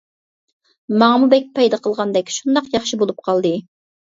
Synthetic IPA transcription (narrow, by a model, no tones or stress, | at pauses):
mɑŋəmubɛk̚ʲpʰɑjd̪ɑqʰəlˠʁɑnd̪ɛkʲʃund̪ɑqjɑχʃibolˠup̚qʰɑlˠd̪ɨ